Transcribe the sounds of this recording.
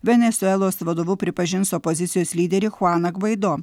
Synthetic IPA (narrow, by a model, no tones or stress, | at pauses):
ʋʲɛnʲɛt̪sʲʊɛlˠoːsʋɐd̪oːʋuːpʲɾʲɪpɐʒʲɪnsɔːpɔzʲɪt̪ʲɪjoːsʲlʲiːd̪ʲɛɾʲɪxʊɑːnɐɡʋɐɪd̪oː